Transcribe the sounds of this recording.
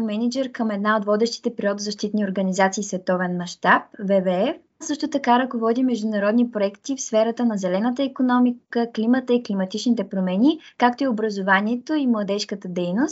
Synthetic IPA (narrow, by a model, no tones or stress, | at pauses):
mɛnʲid͡ʒɛɾkəmɛd̪naot̪vɔd̪ɛʃt̪i̥t̪ɛpɾʲiod̪ozɐʃt̪it̪nioɾɡənizat̪siːsvɛt̪ɔvɛnmɐʃt̪ap̚vɛvɛɛf | sɤʃt̪ot̪ɐkaɾɐkovɔd̪imːɛʒd̪ʊnɐɾɔd̪nipɾoɛkt̪ifsfɛɾət̪ənɐzɛlɛnət̪əikonɔmikkəklimət̪əiklimɐt̪it͡ʃnit̪ɛpɾomɛnʲikak̚t̪oiobɾɐzovaniɛt̪oimlˠɐd̪ɛʃkət̪əd̪ɛjnost̪